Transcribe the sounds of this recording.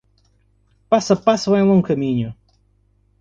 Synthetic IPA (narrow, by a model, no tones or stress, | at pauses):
pasɐpaswɐ̃j̃lˠõŋkɐmĩɲʊ